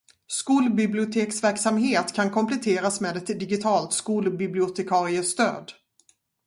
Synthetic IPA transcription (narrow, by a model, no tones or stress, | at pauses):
skuːlbɪblɪʊt̪ʰeːksvæɾksamɦeːt̪kʰankʰɔmplɛt̪ʰeːɾasmeːd̪ɛt̪d̪ɪɡɪt̪ʰɑːlt̪skuːlbɪblɪʊt̪ʰɛkʰɑːɾɪəst̪ø̰ːd̪